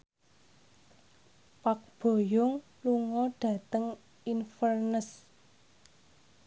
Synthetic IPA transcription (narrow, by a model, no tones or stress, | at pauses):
pak̚b̥o̤jʊŋ | luŋɔɖ̥ä̤t̪əŋ | infərnəs